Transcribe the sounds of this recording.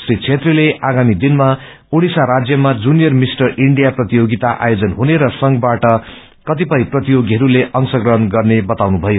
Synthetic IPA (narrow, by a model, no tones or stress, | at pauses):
srit͡sʰet̪rileaɡamid̪inmaoɽisaɾad͡zjʌmad͡zunijʌrmisʈʌriɳɖijaprʌt̪ijoɡit̪aʔa̰jod͡zʌnɦuneɾʌsʌŋɡbaʈʌ | kʌt̪ipʌjprʌt̪ijoɡiɦʌɾuleʔʌŋsʌɡrʌɦʌnɡʌrnebʌt̪awnubʱʌjo